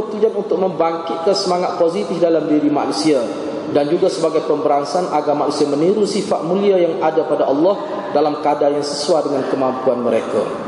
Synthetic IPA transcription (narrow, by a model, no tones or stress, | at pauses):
ət̪ud͡ʒanunt̪ʊk̚məmbaŋkɪt̪̚kansəmaŋat̪̚pozit̪ɪfdalamdiɾima̰nusia | dand͡ʒuɡasəbaɡajpəmbəɾaŋsanʔaɡamaʔnusiaməniɾusifaʔ̪̚mũliajaŋadapadaʔɑlːɔh | dalamkadajaŋsəsuadəŋankəmampuanməɾeka̰